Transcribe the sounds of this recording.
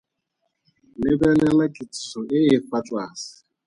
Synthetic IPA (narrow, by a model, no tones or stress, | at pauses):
nebelelakɪtsʊɪɦɪfatwasɪ̥